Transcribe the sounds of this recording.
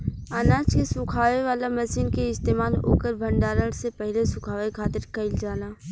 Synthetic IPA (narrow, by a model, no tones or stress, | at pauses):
anãːt͡ʃkesʊ̃kʰaːʋeʋaːlamɐsiːnkeɪst̪eːmaːlo̰ːkəɾbʱə̃ɳɖaːɾəɽsepɛɦlesʊkʰaːʋekʰaːt̪əɾkɐɪld͡ʒaːnaː